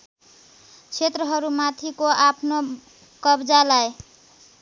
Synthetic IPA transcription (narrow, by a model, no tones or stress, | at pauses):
kt͡ʃʰet̪ɾəɦʌɾumat̪ʰikoapno | kʌbd͡ʒalaj